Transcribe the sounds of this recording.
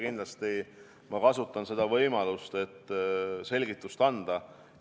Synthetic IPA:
kind̪lɑst̪i | mɑkɑsut̪ˑːɑnse̞d̪̥ɑvɤjmɑlust̪e̞t̪ːse̞lʲɡit̪ːˑust̪ɑnd̪̥ɑ

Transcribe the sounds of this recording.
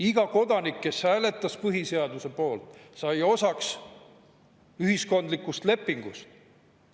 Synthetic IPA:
iɡ̥ɑko̞d̪̥ɑnikːe̞shæːle̞t̪ˑːɑspɯɦise̞ɑd̪use̞po̞ːlt̪ˑsɑjo̞sɑks | yɦisko̞nd̪likːust̪le̞pːˑiŋɡ̥ust̪

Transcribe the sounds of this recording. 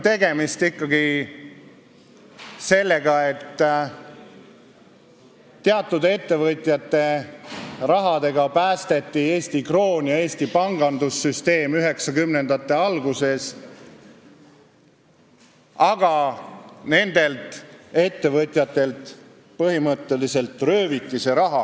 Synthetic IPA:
t̪e̞ɡ̥e̞mist̪ikːɑɡi | se̞lːe̞ɡ̥ɑe̞t̪ː | eɑt̪ːˑud̪e̞t̪ːe̞vɤt̪ʲˑjɑt̪ːe̞ | ɾɑɦɑd̪̥e̞ɡɑpæːst̪e̞t̪ˑːie̞ːst̪ikro̞ːnjɑe̞ːsʲt̪ipɑŋɡ̥ɑnd̪usːyst̪e̞ːmyɦe̞ksɑkymnend̪̥ɑt̪ːˑe̞ɑlɡuse̞s | ɑɡ̥ɑ | ne̞nd̪̥e̞lt̪ˑe̞t̪ːe̞vɤt̪ʲˑjɑt̪ːˑe̞lt̪ | pɤɦimɤt̪ːe̞lise̞lt̪ˑrøːvit̪ːˑise̞ɾɑɦɑ

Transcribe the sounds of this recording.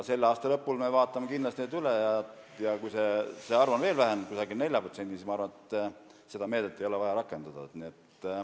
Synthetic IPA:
se̞lːeɑːst̪ɑlɤ̞pːulme̞vɑːt̪ːˑɑmekind̪lɑst̪neːd̪ylejɑ | jɑkujse̞seɑrvɑnve̞ːlvæɦenkusɑɡilne̞lʲjɑpro̞t̪se̞nd̪isismɑɑrvɑnet̪ː | se̞d̪̥ɑme̞ːd̪et̪ːˑe̞jo̞le̞vɑjɑɾɑkːˑe̞nd̪̥ɑd̪̥ɑniet̪ː

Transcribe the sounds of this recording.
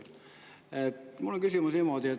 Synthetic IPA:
etmulːoŋkysymusimoˑd̪ie

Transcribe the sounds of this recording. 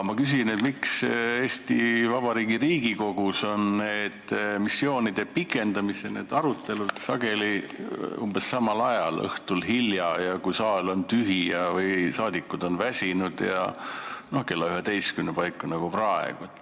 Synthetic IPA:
mɑkys̬inet̪mikseːst̪ivɑb̥ɑɾiːɡiɾiːɡ̥iko̞ɡ̥uso̞nneːd̪̥misːjo̞ːnid̪̥e̞pikːˑe̞nd̪̥ɑmisene̞̰ːd̪̥ɑɾut̪ːˑe̞lud̪̥sɑɡe̞liumb̥esːɑmɑlɑjɑlɤ̰ht̪ulɦiljɑjɑkujsɑːlo̞nt̪yɦijɑvɯjsɑːd̪ikːˑud̪̥o̞nvæsʲinud̪̥jɑ̰ | no̞hke̞lːɑyɦet̪e̞jskymnepɑjkːˑɑnɑɡ̥uprɑḛɡ̥ut̪

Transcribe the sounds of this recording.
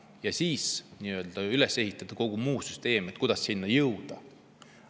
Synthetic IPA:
jɑsiːsniø̞ld̪̥ɑylesːe̞ɦit̪ːˑɑd̪̥ɑko̞ɡ̥umuːsyst̪e̞ːmet̪̚ˑkud̪̥ɑsːinːɑjɤwd̪̥ɑ

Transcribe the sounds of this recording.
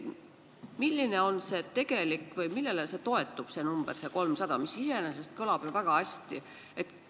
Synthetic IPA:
milːine̞o̞nse̞ːt̪e̞ɡ̥e̞likːˑvɤjmilːe̞lese̞t̪o̞e̞t̪ːˑub̥se̞numb̥erse̞ko̞lmsɑd̪̥ɑmisise̞enese̞st̪kolɑb̥jovæɡ̥ɑæsʲt̪i | e̞t̪

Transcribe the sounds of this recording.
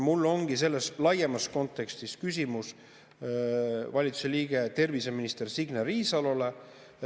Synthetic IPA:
mulːo̞ŋɡ̥is̬e̞lːeslɑjemɑsko̞nt̪ːˑe̞kst̪iskys̬ʲimus | vɑlʲit̪su̥se̞liːɡ̥e̞t̪e̞rvise̞minist̪ersiɡ̥neriːsɑlole̞

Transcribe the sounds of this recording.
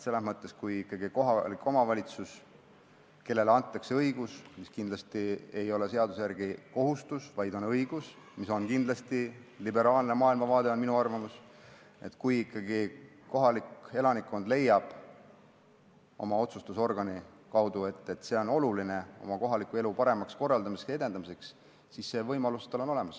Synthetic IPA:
se̞lːesmɤt̪ːˑe̞skujikːˑɑɡiko̞ɦɑlikːo̞mɑvɑlʲit̪sus | ke̞lːe̞leɑnt̪ːˑɑkseɤjɡ̥usmiskind̪lɑst̪ie̞jo̞le̞se̞ɑd̪̥usjærɡ̥iko̞ɦust̪usvɑjd̪o̞nɤjɡ̥us | miso̞nkind̪lɑst̪ilibe̞ɾɑːlne̞mɑːilmɑvɑːd̪̥e̞o̞nminuɑrvɑmus | e̞̰t̪ːˑkujikˑːɑɡ̥i | ko̞ɦɑlike̞lɑnikːo̞nd̪̥le̞jːɑb̥ | o̞̰mɑo̞t̪sust̪uso̞rɡ̥ɑnikɑwd̪̥ue̞t̪ːˑe̞t̪se̞ːo̞no̞luline̞o̞̰mɑko̞ɦɑlikːˑue̞lupɑɾe̞mɑksko̞rːɑld̪ɑmisekse̞d̪e̞nɑmise̞ks | sisse̞ːvɤjmɑlust̪ɑlo̞no̞le̞mɑs

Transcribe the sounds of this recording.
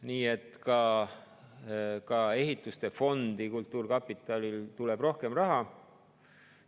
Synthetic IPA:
niːe̞t̪ːˑkɑ | kɑe̞ɦit̪ːˑust̪e̞fo̞nd̪̥ikult̪ˑːuːrkɑpːit̪ːˑɑlilt̪ule̞b̥ro̞hke̞mrɑɦɑ

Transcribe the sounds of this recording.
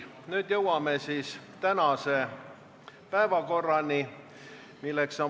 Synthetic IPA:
nyːd̪̥jɤwɑmesiːst̪ænɑse | pæevɑko̞rːɑnʲi | milːekso

